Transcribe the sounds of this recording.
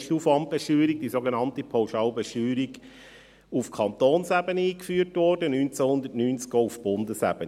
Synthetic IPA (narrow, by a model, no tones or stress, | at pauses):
ʃtufɑm̚b̥ɛʃyːɾik̚d̥isoɡenɑntipʰawʃɑːlbeʃyːɾiɡ | ufkʰɑnt̪oːnsæbəniːkfyːtʋɔrdənynt͡sæhʊnd̪ətnyːnt͡skɡoːufb̥ʊnd̪əsæ̰b̥ən